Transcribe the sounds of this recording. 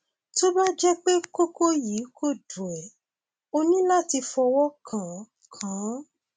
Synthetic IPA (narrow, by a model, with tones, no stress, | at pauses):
to˦ba˦d͡ʒɛ˦k͡pe˦ko˦ko˦jiː˨˦kʰo˦˨dũ˨ɛ˨ | o˧nĩ˦la˦˨ti˧fɔ˧wɔ˦kʰã˨ | kʰã˨˦